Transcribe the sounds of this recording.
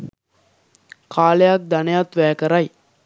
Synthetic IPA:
kʰaːlejak̚d̪ɐnejat̪ʋæːkɐɾɐj

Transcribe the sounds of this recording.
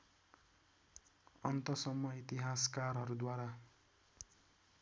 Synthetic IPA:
ʌnt̪ʌsʌmːʌit̪iɦaskaɾɦʌɾud̪waɾa

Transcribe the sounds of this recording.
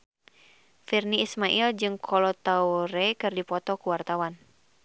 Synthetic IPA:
firniːsmaʔild͡ʒɨŋkʰɔlɔt̪auɾɛkɨrdipɔt̪ɔkuwart̪awan

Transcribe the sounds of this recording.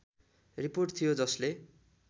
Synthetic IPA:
riporʈt̪ʰijod͡zʌsle

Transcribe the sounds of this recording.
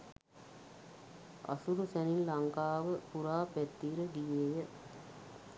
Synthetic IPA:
a̰suɾusæninlaŋkaːʋəpuɾaːpæt̪ːiːɾəɡijejə

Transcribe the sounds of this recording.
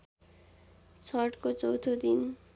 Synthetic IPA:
t͡ɕʰɔʈkot͡sowt̪ʰod̪in

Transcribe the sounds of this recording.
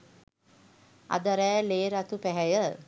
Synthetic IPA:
a̰d̪əɾɛːleːɾat̪upæɦɛjə

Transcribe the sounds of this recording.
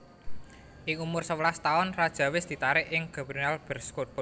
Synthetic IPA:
ʔɪŋumʊrsəwlast̪aʊnrad̥ʒ̥a̤wɪsd̪̥i̤t̪aɾɪʔɪŋɡ̥a̤bɾunalb̥ə̤rskob̥ʊ

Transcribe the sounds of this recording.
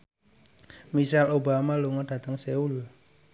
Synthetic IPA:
misalobamaluŋɔd̥a̤t̪əŋseul

